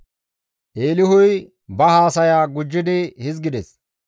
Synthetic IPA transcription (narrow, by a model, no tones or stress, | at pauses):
ʔeːlɪɦʊj | bɐhaːsɐjaːɡʊd͡ʒːɪd̪ɪhɪzɡɪd̪ɛs